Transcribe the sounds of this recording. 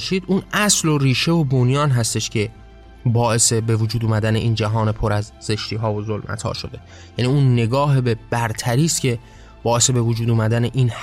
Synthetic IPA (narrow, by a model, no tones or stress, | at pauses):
ʃiːd̪uːnæslo̞riːʃe̞vobonjɒːnɦæst̪e̞ʃcʰe̞ | bɒːʔe̞se̞be̞vod͡ʒuːd̪uːmæd̪æne̞ʔiːnd͡ʒæɦɒːne̞pʰoɾæzze̞ʃt̪iːɦɒːvozolmʔæ̰t̪ʰhɒ̰ːʃo̞d̪e̞ | jæniːunːe̞ɡɒːɦebe̞b̥æɾt̪ʰæɾiːst̪cʲʰe̞ | b̥ɒːʔe̞se̞be̞vod͡ʒuːd̪uːmæd̪æne̞ʔiːnh